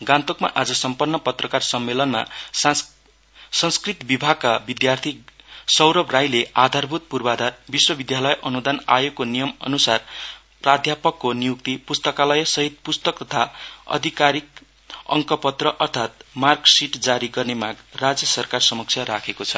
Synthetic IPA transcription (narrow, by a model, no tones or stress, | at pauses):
ɡãnt̪okma̰ʔad͡zʌsʌmpʌrnːʌpʌt̪rʌkarsʌmːelʌnma̰ | sʌ̃ŋskrit̪bibʱaɡ̚kabid̪jart̪ʰisʌwɾʌbrajlead̪ʱarbʱut̪̚purbad̪ʱarbiswʌbid̪jalʌjʔʌnud̪ana̰jekonijʌmʌ̰nusar | prad̪ʱjapʌkːonijuk̚t̪ipust̪ʌkalʌjsʌɦit̪̚pust̪ʌk̚t̪ʌt̪ʰaʌ̰d̪ʱikaɾik̚ | ʌ̰ŋkʌpʌt̪rʌʔʌrt̪ʰat̪̚marksiʈd͡zaɾiɡʌrnemaɡrad͡zjʌsʌrkarsʌmʌksʰjaɾakʰekot͡sʰʌ